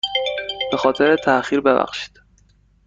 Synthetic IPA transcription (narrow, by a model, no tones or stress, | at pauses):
b̥e̞xɒːt̪ʰe̞ɾet̪ʰæʔxiːɾbe̞bæ̰xʃi̥ːd̪̥